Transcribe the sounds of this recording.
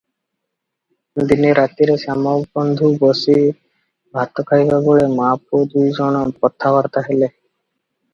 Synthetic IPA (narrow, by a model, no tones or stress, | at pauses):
d̪iniɾat̪iɾesamɔbɔnd̪ʱubɔsi | bʱat̪ɔkʰajbaboɭemapod̪ujd͡ʒɔɽ̃ɔpɔt̪ʰːabaɾt̪aɦele